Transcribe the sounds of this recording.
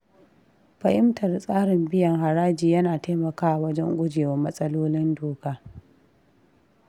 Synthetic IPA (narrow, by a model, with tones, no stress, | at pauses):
ɸɐ˨ʔɪ˦mtʰɐ˨rsʼaː˦ɽɪ˨mbɪ˦jɐ˨ŋha˨ɾaː˦d͡ʒiː˨jɐ˦naː˨ta˦mɐ˨kaː˦ʔa˨wɐ˦d͡ʒɛ˦ŋɡʷʊ˦d͡ʒeː˨wɐ˦mɐ˦sʼɐ˦loː˦lɪ˦ndoː˨kaː˦